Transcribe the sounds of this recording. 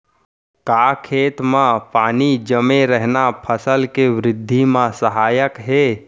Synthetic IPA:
kakʰeːt̪mãpaːnid͡ʒəmeɾəɦnapʰəsəlkeʋɾɪd̪ʱːimãsəɦaːjəkɦe

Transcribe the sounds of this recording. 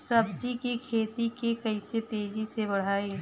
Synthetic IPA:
sɐbd͡ʒikikʰeːt̪ikekɐɪset̪eːd͡ʒisebɐɽ̤aːi

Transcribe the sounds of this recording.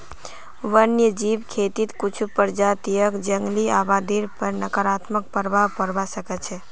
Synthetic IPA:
ʋənjəd͡ʒibkʰet̪it̪kut͡ʃʰupəɾd͡ʒat̪ijəkd͡ʒəŋɡliabad̪iɾpəɾnəkəɾat̪mək̚pəɾbʱaʋpəɾbasəkɛt͡ʃʰɛ

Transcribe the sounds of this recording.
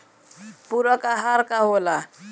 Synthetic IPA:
puɾɔkaɦaɾkaɦola

